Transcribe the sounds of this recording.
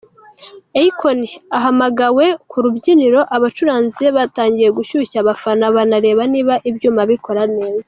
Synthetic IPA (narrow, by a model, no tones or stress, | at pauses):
eikʰoniaɦamaɡawe̞kuɾubɟiniɾo̞ʔaβat͡ʃuɾaːnzieβataːɲɟije̞ɡuʃuçaβafanaβanaɾe̞βaniːβaʔibjuːmaβiko̞ɾaneːza